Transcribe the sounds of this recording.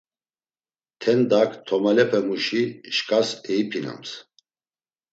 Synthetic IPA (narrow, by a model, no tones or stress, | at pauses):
t̪ʰɛnd̪akʰt̪ʰɔmalɛpʰɛmuʃiʃkʼasɛipʰina̰ms